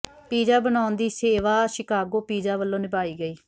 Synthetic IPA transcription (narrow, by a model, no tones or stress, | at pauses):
piːd͡ʒaːbənaːʊnd̪iːseːʋaːʃɪkaːɡoːpiːd͡ʒaːʋəlːõːnɪbaːiːɡəiː